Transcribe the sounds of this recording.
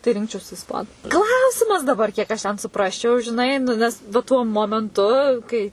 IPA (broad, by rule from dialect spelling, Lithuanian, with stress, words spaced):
tɐɪ ˈrʲɪŋkt͡ʃʲɛʊsʲɪ ɪsˈpɑːnʊ ˈklˠɐʊsʲɪmɐs dɐˈbɐr kʲiɛk ɐʃ tʲɛn sʊˈprɑːsʲt͡ʃʲɛʊ ʒʲɪˈnɐɪ nʊ ˈnʲɛs ʋɐ ˈtuɔ moːmʲɛnˈtʊ kɐɪ